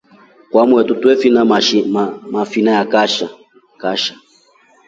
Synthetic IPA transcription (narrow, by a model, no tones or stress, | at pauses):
kwamwɛtutwɛfinamafinajakaʃa | kaʃḁ